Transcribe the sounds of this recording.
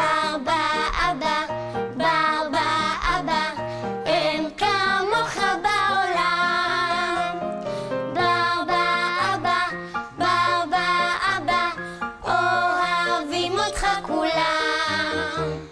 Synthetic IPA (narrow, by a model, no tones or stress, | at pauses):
abaaba | babaaba | ɛnkamoχabaola | babaʔaba | babaaba | ohavimot̪χakula